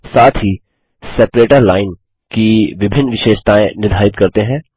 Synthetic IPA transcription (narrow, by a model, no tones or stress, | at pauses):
saːt̪ʰɦi | sɛːpɾeːʈəɾlaːɪn | kiʋɪbʱɪnːʋɪʃeːʃt̪aːẽnɪd̪ʱaːɪt̪kɐɾt̪eɦɛ̃ː